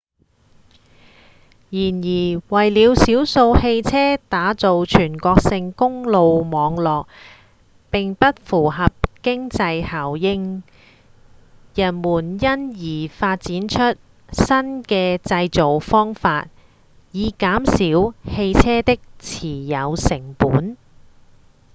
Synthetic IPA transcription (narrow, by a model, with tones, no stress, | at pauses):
jiː˨˩njiː˨˩wɐ˨˩jliː˨˧wsiː˨˥wso˧whe˧jt͡sʰɛː˥t̪aː˨˥t͡so˨˧wt͡ʃʰyː˨˩nkɔː˧k̚sɪ˧ŋkʊ˥ŋlo˨˧wmɔː˨˧ŋlɔː˨k̚ | pɪ˨ŋpɐ˥t̚fuː˨˩ɦɐ˨p̚kɪ˥ŋt͡sɐ˧jhaː˨˩wjɪ˥ŋ | jɐ˨˩nmuː˨˩njɐ˥njiː˨˩faː˧t̚t͡siː˨˥nt͡ʃʰɵ˥t̚ | sɐ˥nkɛː˧t͡sɐ˧jt͡so˨wfɔː˥ŋfaː˧t̚ | jiː˨˧kaː˨˥msiː˨˥whe˧jt͡sʰɛː˥t̪ɪ˥k̚t͡sʰiː˨˩jɐ˨˧wsɪ˨˩ŋpuː˨˥n